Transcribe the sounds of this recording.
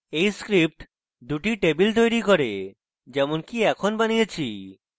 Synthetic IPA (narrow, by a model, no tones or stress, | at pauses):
ejskɾip̚ʈ | d̪uʈiʈebilt̪̬ojɾikoɾḛ | d͡ʑɛmonkiɛkʰonbanijet͡ɕʰi